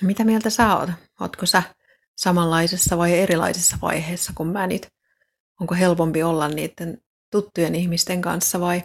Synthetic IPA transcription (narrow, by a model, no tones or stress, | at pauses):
mit̪æmielt̪æsæo̰ːt̪ | o̰t̪kosæ | sɑmɑlːɑisesːɑʋɑieɾilɑ̰isesːɑʋɑ̰iheːsːɑkummænit̪ | oŋkoɦelpompiolːɑnnḭːt̪ːen | t̪ut̪ːujenihmist̪eŋkɑ̰nsːɑʋɑi